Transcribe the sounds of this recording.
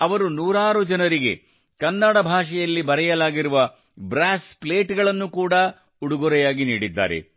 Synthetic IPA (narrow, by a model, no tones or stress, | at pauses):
ɐʋɐɾunuːɾaːɾud͡ʒɐnɐɾiɡe̞̰ | kɐnːɐɽɐbʱaːʂɛjɐlːibɐɾɛjɐlaːɡiɾuʋɐ | bɾaːsple̞ːʈɡɐɭɐnːukuːɽɐ | uɽuɡuɾɛjaːɡiniːɽid̪ːa̰ːɾḛ